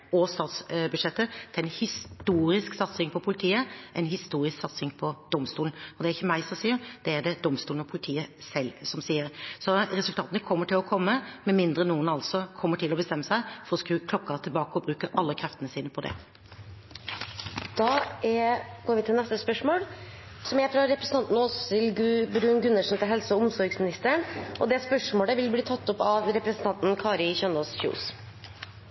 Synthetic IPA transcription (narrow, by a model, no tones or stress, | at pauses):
ɔst̪ɑːt̪sbʉd̪ʂɛt̪ːət̪ʰɛɛnhɪst̪uːɾɪsksɑt̪sɪŋpʰɔpʰʊlɪt̪ʰiːəʔɛɪnhɪst̪uːɾɪsksɑt̪sɪŋpʰɔd̪̥ɔmst̪uːln̩ɔd̪ɛæɾɪçːəmæɪsɔsiːəɾd̪̥ɛæɖɛd̪ɔmst̪uːln̩ɔpʰʊlɪt̪ʰiːəsɛlːsɔmsiːəɾsɔɾɛsʉlt̪ɑːt̪ənəkʰɔmːəʈʰɪlɔkʰɔmːəmɛmɪnd̪ɾənuːənɑlsɔkʰɔmːəʈʰɪlːɔbəst̪ɛmːəsæɪfɔɾɔskɾʉːkʰlɔkːɑt̪ʰɪlbɑːkəɔbɾʉːkəɾʔɑlːəkʰɾɛft̪ənəsiːnəpʰɔd̪ɛ̰ | d̪̥ɑːɛɡ̥oːɾʋɪt̪ʰɪlnɛst̪əspœʂmoːl | sɔmjæɪfɾɑɾɛpɾəsn̩t̪ɑnt̪n̩oːsɪlbɾʉːnɡʉnːəʂn̩t̪ʰɪlɦɛlsəɔʊmsɔɾɡsmɪnɪst̪əɳʔɔd̪ɛspœʂmoːɽəʋɪlbliːt̪ʰɑt̪ːʊpɑʋɾɛpɾsnt̪ɑnt̪n̩kʰɑːɾɪçœnosçʉ̰ʊ̰s